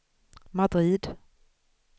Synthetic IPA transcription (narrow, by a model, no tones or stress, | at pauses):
mad̪ɾiːd̪